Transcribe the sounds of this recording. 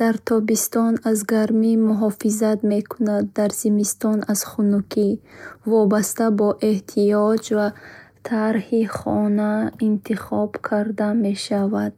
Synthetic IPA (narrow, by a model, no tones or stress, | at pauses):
d̪̥aɾt̪ʰɔbist̪ɔnazɡaɾmimuɦɔfizat̪me̞kʰunad̪ːaɾzimist̪ɔnaz̥χunukʰivɔbast̪abɔʔe̞ht̪ʰiɔd͡ʒvat̪ʰaɾhiχɔnaint̪ʰiχɔb̥kʰaɾd̪ame̞ʃavad̪̥̚